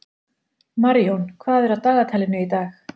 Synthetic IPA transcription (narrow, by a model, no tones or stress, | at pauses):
maɾjownkʰvaːðɛɾaðt̪aːɣat̪ʰajlɪnʏit̪aːx